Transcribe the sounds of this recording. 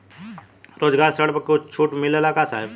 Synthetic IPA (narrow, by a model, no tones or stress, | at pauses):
ɾoːd͡ʒɡaːɾsəɽpɐkot͡ʃʰuːʈmɪlelakaːsaːɦɪb